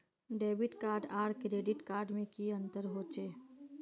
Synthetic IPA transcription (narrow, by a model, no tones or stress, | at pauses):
ɖeːbɪʈkaːɾɖaːɽkɾeːɖɪʈkaːɾɖmẽkiə̃nt̪əɾɦoːt͡ʃeː